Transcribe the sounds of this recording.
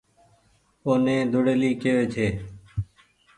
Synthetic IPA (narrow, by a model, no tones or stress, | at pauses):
oːnẽːd̪ʱʊɽeːliːkeʋeːt͡ʃʰeː